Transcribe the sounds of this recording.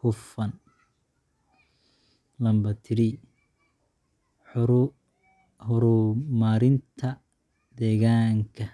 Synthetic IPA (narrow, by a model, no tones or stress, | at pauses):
kʊfɐn | lɐmbɐt̪ʰɪɾi | hʊɾʊmaːɾɪnt̪ʰɐ | d̪ɛːɣaːŋkʰɐ